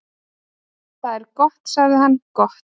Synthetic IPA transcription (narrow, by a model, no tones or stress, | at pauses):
θaðɛɾkɔht̪saɣðɪɦanːkɔht̪